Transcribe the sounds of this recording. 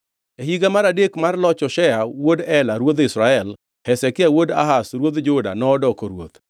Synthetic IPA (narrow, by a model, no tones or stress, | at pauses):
eɦiɡamaɾadekmarlɔt͡ʃɔʃɛawodɛlaɾwod̪ɪsɾaɛl | hɛsɛkɪawoda̰ɦasɾwod̪d͡ʒʊda̰nɔːdɔkoɾwo̰t̪